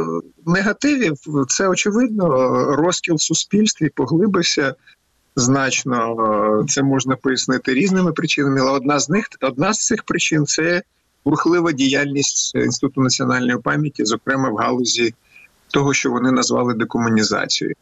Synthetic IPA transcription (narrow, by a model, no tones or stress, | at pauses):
neɦɐt̪ɪʋʲit̪sɛɔt͡ʃɪʋɪd̪̚nɔrɔskʲilˠsʊspʲilʲst̪ʋʲipɔɦlˠɪbɪwsʲɐ | znɑt͡ʃnɔt̪sɛmɔʒnɐpɔjɐsnɪt̪ɪɾʲiznɪmɪpɾɪt͡ʃɪnɐmɪɐlˠɛɔd̪nɑznɪxɔd̪̚nɑst̪sɪxpɾɪt͡ʃɪnt̪sɛ | bɾʊxlˠɪʋɐdʲijalʲnʲisʲtʲḭnsɪt̪ut̪ʊnɐt͡sʲiɔnɑlʲnɔjipɑmʲjɐtʲizɔkɾɛmɛwɦɑlˠɔzʲi | t̪ɔɦɔʃt͡ʃɔʋɔnɪnɐzʋɑ̰lˠɪd̪ekɔmʊnʲizɑ̰t͡sʲḭjʊ̰